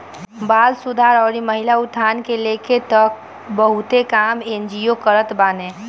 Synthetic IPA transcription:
baːlsʊd̪ʱaːɾɔːɾiməɦɪlaʊt̪ʰːaːnkeleːket̪ək̚ | bəɦʊt̪ekaːmeːnd͡ʒijokəɾət̪baːnẽː

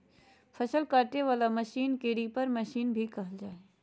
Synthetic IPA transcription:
fʰɐʃəlkaːɾʈeʋaːlamɐʃiːnkeɽipɐɾmɐʃiːnbʱikɐɦəld͡ʒaːe

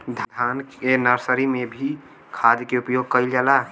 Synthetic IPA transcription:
d̪ʱd̪ʱankenəɾsəɾimebʱi | kʰad̪jkeupjoɡ̚kəɪld͡ʒala

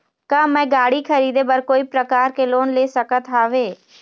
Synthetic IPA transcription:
kamɛ̃ːɡaːɽikʰəɾiːd̪ebəɾkoːipɾəkaːɾkeloːnleːsəkət̪ɦaːʋeː

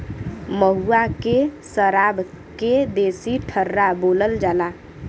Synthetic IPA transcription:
məɦuakesəɾabʱ | ked̪esiʈʰəɾːaboləld͡ʒala

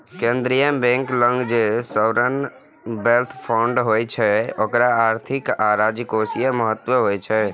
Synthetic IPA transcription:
kẽnd̪ɾijəmbẽŋklə̃ŋɡd͡ʒesəɾən | belt̪ʰpʰaʊɳɖɦojt͡ʃʰɛokɾaaɾt̪ʰikaɾad͡ʒikosijəməɦət̪ːwəɦojt͡ʃʰɛ

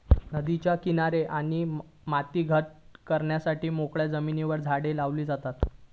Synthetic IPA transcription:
nəd̪it͡ɕjakinaɾeʔaɽ̃i | mat̪iːɡʱəʈ̚kəɾɳjasaʈiːmokɭjad͡zəminiʋəɾd͡zʱaɽelaʋliːd͡zat̪at̪

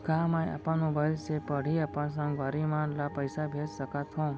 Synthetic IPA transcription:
ɡamãja̰pãnũbʱəlsepəɽ̤iapãs̬ə̃ŋɡʋaɾimãnlapəjsabʱed͡ʒsəkat̪ʰɦõ

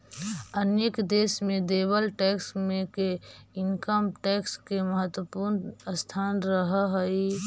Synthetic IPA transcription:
əneːkd̪eːsmẽd̪eːbəlʈɛːksmẽkeɪŋkəmʈɛːkskeməɦət̪wəpuːɾnəst̪ʰaːnɾəɦɦəi

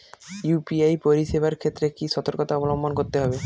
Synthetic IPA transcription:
jupiajpoɾiʃebaɾkʰet̪ːɾekiʃɔt̪oɾkot̪aɔbolombʱonkoɾt̪eɦɔbe

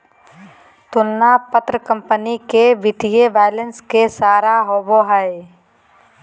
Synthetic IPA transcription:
t̪ʊnːapət̪ɾəkə̃mpənikebɪʈʰijeʋaːjlənskesaːɾaɦoːboɦae

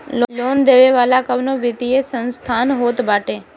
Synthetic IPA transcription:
lloːnd̪eʋeʋaːlakəʋnoʋɪt̪iesənst̪ʰaːnɦoːt̪baːʈe

